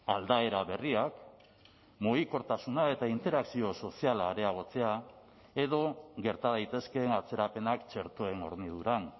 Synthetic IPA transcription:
ald̪ae̞ɾaβe̞riak | moiko̞ɾt̪asunae̞t̪aint̪e̞ɾaksio̞so̞sialaɾe̞aɣ̞o̞t͡se̞a | e̞ðo̞ɣe̞ɾt̪aðajt̪e̞ske̞nat͡se̞ɾape̞nakt͡ʃe̞ɾt̪oe̞no̞̰ɾniðuɾan

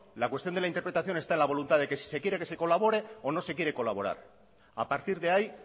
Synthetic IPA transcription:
lakwe̞st̪jo̞nd̪elaint̪eɾpɾet̪aθjo̞ne̞st̪aenlaβ̞o̞lunt̪aðe̞ke̞si̥se̞kjeɾe̞ke̞se̞ko̞laβ̞o̞ɾe̞ono̞se̞kje̞ɾe̞ko̞laβo̞ɾa̰ɾ | a̰paɾt̪iɾðe̞aj

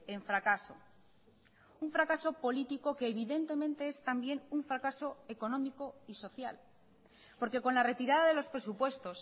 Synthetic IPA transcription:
e̞ɱfɾakaso̞̰ | uɱfɾakaso̞po̞lit̪iko̞ke̞ːβ̞iðe̞nt̪e̞mẽ̞nt̪e̞est̪ambje̞nuɱfɾakaso̞e̞ko̞nõ̞miko̞iso̞θja̰l | po̞ɾke̞ko̞nlare̞t̪iɾaðaðe̞lo̞spɾe̞supwe̞st̪o̞s

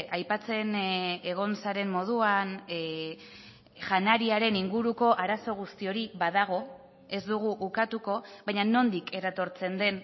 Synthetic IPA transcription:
ʔajpat͡se̞ne̞ɣ̞o̞nsaɾe̞mmo̞ð̞uan | ʝanaɾiaɾe̞niŋɡuɾuko̞ʔaɾaso̞ɣ̞ust̪io̞ɾiβaðaɣ̞o̞ | e̞zd̪uɣ̞uʔukat̪uko̞βajɲano̞nd̪ike̞ɾat̪o̞ɾt͡se̞nd̪e̞n

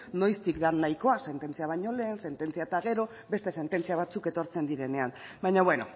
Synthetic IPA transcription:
no̞jst̪ikd̪anːajko̞ase̞nt̪e̞nt͡siaβ̞ajɲo̞le̞ːnse̞nt̪e̞nt͡siat̪aɣ̞e̞ɾo̞ | be̞st̪e̞se̞nt̪e̞nt͡siaβ̞at͡suke̞t̪o̞ɾt͡se̞nd̪iɾe̞ne̞anbajɲaβwe̞no̞̰

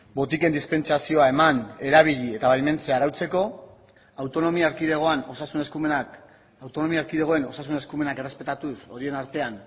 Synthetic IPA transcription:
bo̞t̪ike̞nd̪ispe̞nt͡sasio̞ae̞mane̞ɾaβ̞iʎie̞t̪aβaʎme̞nt͡seaɾawt͡se̞ko̞ | awt̪o̞no̞miaːɾkiðeɣ̞o̞ano̞sasuneskum | awt̪o̞no̞miaɾkiðeɣo̞e̞no̞sas̬une̞skume̞nake̞repe̞t̪at̪uso̞ɾie̞naɾt̪e̞an

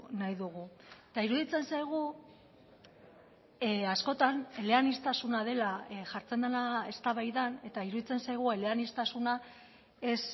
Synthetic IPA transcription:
najðuɣuet̪aiɾuðit͡se̞nsajɣ̞u | asko̞t̪ane̞le̞anist̪asunað̞e̞laʝaɾt͡se̞nd̪enae̞st̪aβajðane̞t̪aiɾuðit͡se̞nsajɣ̞ue̞le̞anist̪asuna | e̞s

